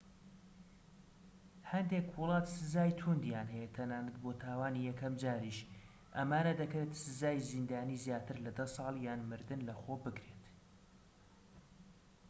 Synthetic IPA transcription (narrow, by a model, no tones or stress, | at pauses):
hɐnd̪ekwʊlˠɑːt̪sɨzaːjt̪ʰund̪jaːnɦɛjet̪ʰɐnaːnɨt̪̚bot̪ʰaːwaːnijɛkɐmd͡ʒaːɾiʃ | ʔɐmaːnɐd̪ɐkɾeːt̪sɨzaːjzind̪aːniːzjaːt̪ʰɨɾlɐd̪ɐsˤɑːlˠjaːnmɨɾd̪ɨnlɐxoːbɨkɾeːt̪